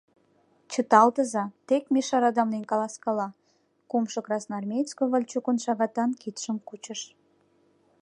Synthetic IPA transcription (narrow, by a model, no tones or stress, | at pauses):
t͡ɕət̪ɑlt̪əzɑt̪ekmʲiʃɑɾɑd̪ɑmnenkɑlɑskɑlɑ | kumʃɤ̆krɑsnɑrmʲejt͡skoβəlʲt͡ɕukonʃɑɣɑt̪ɑnkit̪ʃəmkut͡ɕəʃ